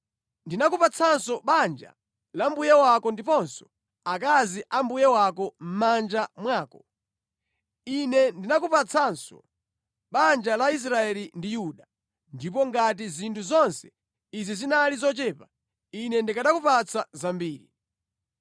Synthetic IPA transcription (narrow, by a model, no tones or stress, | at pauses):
ndinakupat͡sʰansɔɓand͡ʒa̰ | lambujɛwakɔndipɔnsɔ̥ | akaziʔambujɛwakɔm̩mand͡ʒamwaːkɔ | inɛndinakupat͡sʰansɔ | ɓand͡ʒalais̬ɾaɛlindijuːɗa | ndipɔŋɡat̬izintʰuzɔnsɛ̥ | izizinalizɔt͡ʃɛːpa | inɛndikaɗakupat͡sʰazambiːɾḭ